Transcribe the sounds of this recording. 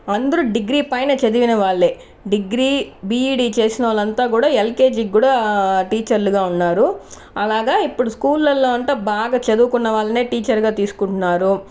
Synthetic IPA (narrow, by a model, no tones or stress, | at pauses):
ɐnd̪ɐɾuɖiɡɾiːpɐjnɐt͡ʃɐd̪iʋinɐʋaːɭːeː | ɖiɡɾiːbiːiːɖiːt͡ʃe̞ːsinɐʋaːlɐnt̪aːkuːɽaːelke̞ːd͡ʒiɡuːɽaːʈiːt͡ʃɐɾluɡaːunːaːɾu | ɐlaːɡaːipːuɽuskuːlːɐlːo̞ːɐɳt̪ɐːbaːɡaːt͡ʃɐd̪uːkunːɐʋaːɭːɐne̞ːʈiːt͡ʃɐɾɡaːt̪iːsu̥kuɳʈunːaːɾu